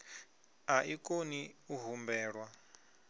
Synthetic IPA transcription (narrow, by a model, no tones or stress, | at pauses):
aʔikʼoniuɦumbɛːɺwa